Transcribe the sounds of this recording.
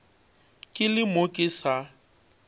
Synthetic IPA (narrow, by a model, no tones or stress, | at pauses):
kʼɪlɪmokʼɪsa